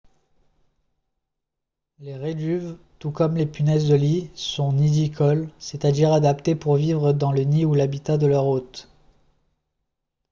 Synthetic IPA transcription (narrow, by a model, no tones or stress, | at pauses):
leʁed̪yv | t̪ukɔmlepynɛzd̪əlisɔ̃nid̪ikʰɔlset̪ad̪iʁad̪apt̪epuʁvivʁəd̪ɑ̃ləniulabit̪ad̪əlœʁot̪